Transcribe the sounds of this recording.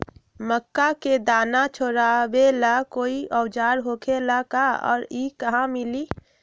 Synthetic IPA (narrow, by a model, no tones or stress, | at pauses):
məkːaked̪aːnat͡ʃʰoɾabelakoːiʔɔwd͡ʒaːɾɦoːkʰelakaɔ̰ːɾikəɦãmɪli